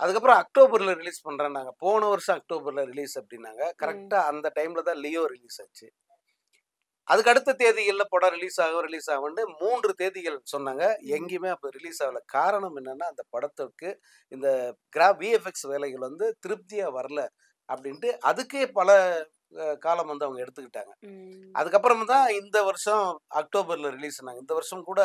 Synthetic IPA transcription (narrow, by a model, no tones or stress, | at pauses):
ʔɐðɯkːɐpːɾõɐk̚ʈoːbɐɾɪlɐɾɪliːspɐɳːɾẽːnːaːŋɡɐpoːɣɳɐʋɐɾɐʂɐ̃ɐk̚ʈoːbɐɾlɐɾɪliːsɐpːɐɽɪnːa̰ːŋɡɐkɐɾɛk̚ʈaːɐnd̪ɐʈɐɪmɪlɐt̪ãːlɪjoːɾɪliːsaːt͡ʃːɯ | ʔɐðɯkːɐɽɯt̪ːɐt̪eːðɪɣɐɭlɐpɐɽɐɾɪliːsaːɣɐɾɪliːsaːɣɐʋɐɳɖɯmuːndrɯt̪eːðɪɣɐɭsɔnːaːŋɡɐɛŋɡemeːɐpːɐɾɪliːsaːʋlɐkʰːaːɾɐɳɐmɛnːɐnːaːɐnd̪ɐpɐɽɐt̪ːɐkːɯ | ɪnd̪ɐɡɪɾaːʋiːɛfɛksʋeːlɛɣɐɭʋɐnd̪ɯt̪ɪɾɯp̚t̪ɪjaːʋɐɾɐlɐ | ʔɐpːɐɽɪnʈɯʔɐðɯkːeːpɐlɐ | kaːlɐmʋɐnd̪ɯɐʋɐŋɡɐɛɽɯt̪ːɯkːɪʈːa̰ːŋɡɐʔɐ̰ðɯk̬ːɐp̬ːɯɾɐmɐnt̪ãːɪnd̪ɐʋɐɾɐʂɐ̃ɐk̚ʈoːbɐɾlɐɾɪliːsɔnːaːŋɡɐɪnd̪ɐʋɐɾɯʂɐmkuːɽɐ